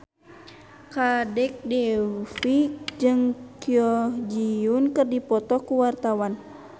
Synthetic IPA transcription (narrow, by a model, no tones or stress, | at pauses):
kadɛk̚dɛfikd͡ʒɨŋkiɔd͡ʒiunkɨrdipɔt̪ɔkuwart̪awan